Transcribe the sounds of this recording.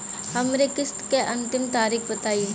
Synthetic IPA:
ɦɐmnekɪst̪keʔɐ̃nt̪ɪmt̪aːɾiːkbɐt̪aːi

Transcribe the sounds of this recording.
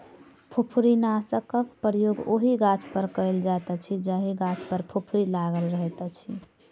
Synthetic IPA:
pʰopʰɾinasəkəkpɾjoɡo̰ɦiɡãt͡ʃpəɾkəjld͡ʒat̪ət͡ʃʰid͡ʒaɦiɡãt͡ʃʰpəɾpʰopʰɾilaɡəlɾəɦɛt̪ət͡ʃʰi

